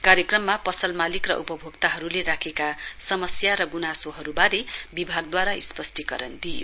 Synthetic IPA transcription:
kaɾjekrʌmːapʌsʌlmalikrʌ̰ʔṵpʌbʱoɡt̪aɦʌɾuleɾakʰekasʌmʌsjaɾʌɡunasoɦʌɾubaɾebibʱaɡ̚d̪waɾaḭspʌsʈikʌ̰ɾʌnd̪ijo̰

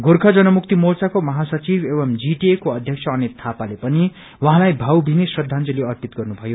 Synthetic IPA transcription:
ɡorkʰʌd͡zʌnʌmuk̚t̪imolt͡sakomʌɦasʌt͡sibʱebʌmd͡ziʈiekoʌd̪ʱjʌkt͡sʰʌʌnet̪ʰapalepʌni | wʌɦãlajbʱawbʱinesrʌd̪ʱːant͡sʌleʌrpit̪ɡʌrnubʱʌjo

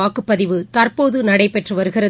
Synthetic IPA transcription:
aːkɯpːɐðɪʋɯt̪ɐrpoːðɯnɐɽɐɪpɛʈrɯʋɐɾɯɣɪɾɐ

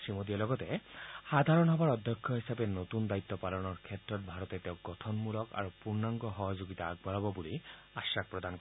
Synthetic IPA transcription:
simod̪iɔlɔɡɔt̪ehad̪ʱaɾɔnɦɔbaɹɔd̪ʱjɔkʰːjɔɦisabenot̪und̪ait̪ːɔpalɔnɔɹkʰetɾɔt̪̚bʱaɾɔt̪et̪eʊɡɔt̪ʰɔnmulɔka̰ɹupuɹnaŋɡɔɦɔɦɔd͡ʒoɡit̪aːɡbalɔbɔbuli | asak̚pɹɔd̪ankɔ

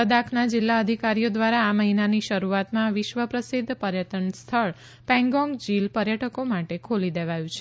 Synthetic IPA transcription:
əd̪akʰnad͡ʒɪlːaəd̪ʱikaɾijod̪ʋaɾaːməɦinaniʃəɾuat̪mãʋɪʃʋəpɾəsid̪ʱpəɾjəʈənst̪ʰəɭ | pɛ̃ŋɡɔ̃ŋɡd͡ʒilpəɾjəʈʰəkomaʈekʰolid̪eʋajũt͡ʃʰe̥

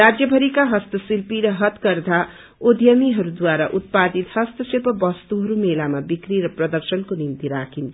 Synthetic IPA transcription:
rad͡zjʌbʱʌɾikaɦʌst̪ʌsilpiɾʌɦʌt̪kʌrd̪ʱa | od̪ʱjʌmiɦʌɾud̪waɾaʔut̪̚pad̪it̪sʌst̪ʌselpʌbʌst̪uɦʌɾumelamabikɾiɾʌprʌd̪ʌrsʌnkonint̪iɾakʰinʰ

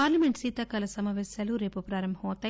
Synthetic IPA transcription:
aːɾlɐmeɳʈsiːt̪ɐkɐlɐsɐmɐʋeːsɐluɾe̞ːpupɾaːɾɐmbɦɐmɔːt̪ɐ

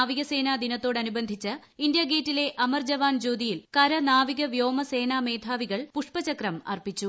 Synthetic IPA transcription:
aːʋiɣɐse̞ːnaːd̪inɐt̪ːo̞ːɽɐnubɐnd̪ʱit͡ɕːɨ | ind̪jaːɡeːtːile̞ʔɐmɐrd͡ʑɐʋaːnd͡ʑoːd̪ijilkɐɾɐnaːʋiɣɐʋjo̞ːmɐse̞ːnaːme̞ːd̪ʰʱaːʋiɣɐɭpuʂpɐt͡ɕɐkrɐmɐ̰rpit͡ɕːu

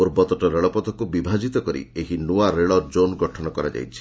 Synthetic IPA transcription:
oɾbɔt̪ɔʈɔɾeɭɔpɔd̪ɔkubibʱad͡ʒit̪ɔkɔɾḭeɦinuaɾeɭɔɾd͡ʒonɡɔʈʰɔnɔkɔɾa̰d͡ʒa̰jt͡ʃʰi̥

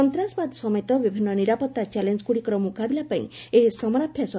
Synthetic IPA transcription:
ɔnt̪ɾasbad̪sɔmɔejt̪ɔbibʱinːɔniɾapɔt̪ːat͡ʃɛlend͡ʒkuɽikɔɾɔmukabilapaḭ̃eɦisɔmɔɾapʰjasɔ

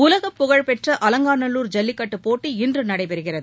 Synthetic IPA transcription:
ʊlɐɣɐpːʊɣɐɻpɛʈrɐʔɐlɐŋɡaːnɐlːuːɾd͡ʒɐlːɪkːɐʈːɯpːoːʈːiɪndrɯnɐɽɐɪpɛɾɯɣɪrɐðɯ

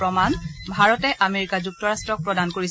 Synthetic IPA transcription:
pɔmanbʱaɹɔtɛʔameɹikazuk̚tɔɹastɹɔk̚pɹɔdankoɹis

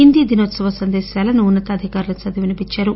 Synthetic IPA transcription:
ind̪id̪inoːt̪sɐʋɐsɐnd̪ɛːʃjaːlɐnuːnːɐt̪ɐɐd̪ʱikaːɾulɐsɐd̪iʋinɐpiɲt͡ʃːaːɾu

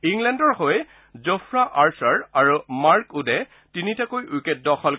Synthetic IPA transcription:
iŋlɛndɔɹhoj | zofɹaʔaɹsaɹaɹumaɹkudɛ | tinitakojuket̚dɔxɔl

